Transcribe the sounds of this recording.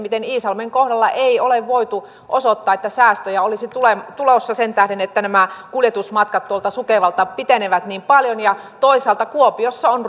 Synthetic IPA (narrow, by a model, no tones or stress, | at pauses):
mit̪eniːsɑlmeŋkohdɑlːɑʔeioleʋʋoit̪u | ʔosot̪ːɑːet̪ːæsæːst̪øjæolisit̪ulemt̪ulosːɑsent̪æhdenet̪ːænæmækuljet̪usmɑt̪kɑt̪t̪uolt̪ɑsukeʋɑlt̪ɑpit̪eneʋæt̪niːmpɑljonjɑ | t̪oisɑːlt̪ɑkuopiosːɑon